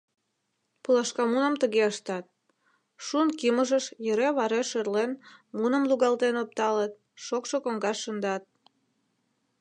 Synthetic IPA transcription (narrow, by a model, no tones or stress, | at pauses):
pulɑʃkɑmunəmt̪əɣeəʃt̪ɑt̪̚ | ʃunkiməʒəʃjəɾeβɑɾeʃerlenmunə̆mluɣɑlt̪enop̚t̪ɑlət̪̚ | ʃokʃokoŋɡɑʃːənd̪ɑt̪̚